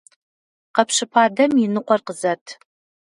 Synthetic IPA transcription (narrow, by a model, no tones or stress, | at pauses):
qɐpʂɨpʰaːdɐmjɪnɨqʷʼɔrqəzɐtʰ